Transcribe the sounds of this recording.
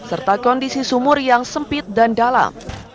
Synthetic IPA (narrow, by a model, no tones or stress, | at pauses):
sərt̪akɔndisisumʊrjaŋsəmpɪt̪̚dandala̰m